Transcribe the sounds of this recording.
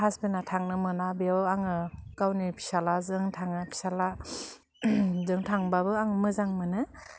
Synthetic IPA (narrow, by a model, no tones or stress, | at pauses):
ɦasbenatʰaŋnɯmɯnabeaaŋɯkawnipʰi̥salazɯŋtʰaŋɯpʰi̥sala | zɯŋtʰaŋbabɯaŋɯmɯzaŋmɯnɯ